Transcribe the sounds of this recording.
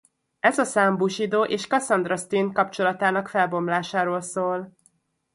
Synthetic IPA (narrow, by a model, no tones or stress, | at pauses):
ɛzɒsaːmbuʃid̪oːʔeːʃkɒsɒnd̪rɒst̪inkɒpt͡ʃo̞lɒt̪aːnɒkfɛlbo̞mlaːʃaːɾoːlsoːl